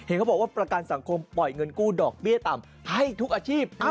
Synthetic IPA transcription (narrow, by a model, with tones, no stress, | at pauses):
he˩˦nkʰa˥˩bɔː˨˩kwaː˥˩pɾa˧ka˧nsa˩˦ŋkʰo˧mpɔ˨˩jŋɤ˧nkuː˥˩dɔː˨˩k̚bi˥˩ət̪a˨˩m | ha˥˩jt̪ʰu˦˥k̚ʔaː˧t͡ɕʰiː˥˩p̚